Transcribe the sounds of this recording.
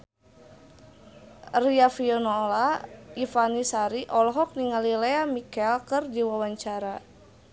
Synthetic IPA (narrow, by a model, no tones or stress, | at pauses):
riafiɔnɔlaifanisaɾiʔɔlɔɦɔk̚niŋalileamikɛlkɨrd͡ʒiwawaɲt͡ʃaɾa